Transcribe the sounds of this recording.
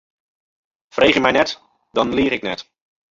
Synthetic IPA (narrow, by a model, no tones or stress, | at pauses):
v̥rʔejχɪmɛjnɛt | dɑnliːrɪknɛ̰t